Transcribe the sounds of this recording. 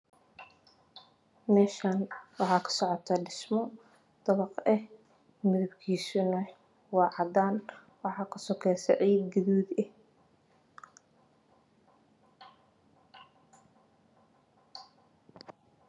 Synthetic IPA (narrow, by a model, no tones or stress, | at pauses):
mɛːʃaːnwɑħɑːkʰɐ̥sɔʕɔt̪ʰɐɖɪsmɔ | d̪̥ɐβɑqɛh | mɪðɐbkʰiːsʊnɐ | wɑːʕɑd̪aːn | wɑħɑːkʰɐsɔkʰɛːsɛʕiːɡɐðuːd̪ɛh